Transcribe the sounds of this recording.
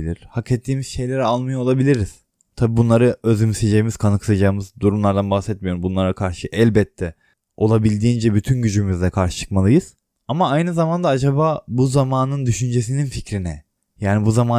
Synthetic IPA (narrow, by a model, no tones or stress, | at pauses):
ilʲiɾ̥haket̪ʰːiːmiz̥ʃe̞jlʲeɾialˠmɯjaolˠabilʲiɾiz̥ | t̪ʰabiːbunlˠaɾɯøzymsed͡ʒejimiz̥kʰanɯkʰɯ̥sad͡ʒaːɯmɯzd̪uɾumlˠaɾd̪anbaxsɛt̪̚mijo̞ɾumbunlˠaɾakʰaɾʃɯʔɛlʲbɛt̪ʰːɛ | o̞lˠabilʲd̪iːind͡ʒɛbyt̪ʰynɟyd͡ʒymyzlʲɛkʰaɾʃɯ̥t͡ʃʰɯ̥kmalˠɯjɯz̥ | amaajnɯzamand̪aad͡ʒabaːbuzamaːnɯnd̪yʃynd͡ʒe̞s̬ininficɾinɛ | jaːnibuzamaː